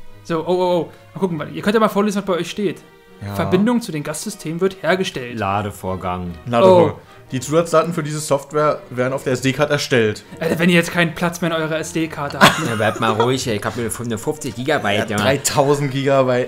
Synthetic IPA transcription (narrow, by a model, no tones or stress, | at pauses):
z̥oːʔoːoʔoːmalkʊkŋ̩vaʔiːɐkʰœntjamalfoːɐleːzn̩vasb̥aɪʔɔʏçʃteːt | fɛɐbɪndʊŋət͡sudeːmɡasz̥ʏstʰeːmənvɪɐtheːɐɡəʃtɛltlaːdəfoːɐɡaŋlaːoː | d̥iːt͡suːzat͡sd̥aːtn̩fyːɐdiːzəsɔftv̥ɛːɐveːɐdn̩aʊfdeːɐɛsd̥eːkʰaːɐtəɛɐʃtɛltʔadavɛniːɐjɛt͡stkʰaɪnənpʰl̥at͡smeːɐɪnʔɔʏʁɐɛsd̥eːkʰaɐtəhaptnablaɪp̚tmaːlʁʊɪçɪkhaːpmiɐəfʊnəfʊft͡sɪçɡ̥iːɡabaɪʁaɪtʰaʊzn̩tɡ̥iːɡabaɪt